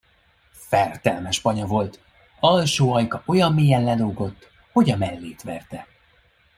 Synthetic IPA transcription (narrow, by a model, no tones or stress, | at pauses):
fɛrt̪ɛlmɛʃpɒɲɒvo̞lt̪ | ɒlʃoːɒjkɒʔo̞jɒmːiːjɛnlɛloːɡo̞t̪ː | ho̞ɟɒmɛlːeːt̪ʋɛrt̪ɛ